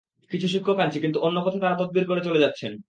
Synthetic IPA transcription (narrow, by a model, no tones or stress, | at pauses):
kit͡ɕʰuʃukʰːokant͡ɕʰikint̪uʔonːokɔt̪ʰat̪aɾat̪od̪̚biɾkoɾet͡ɕoled͡ʑatːɕʰen